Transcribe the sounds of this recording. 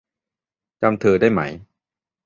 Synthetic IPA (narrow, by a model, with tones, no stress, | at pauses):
t͡ɕa˧mt̪ʰɯː˧daː˥˩jma̰˦˥j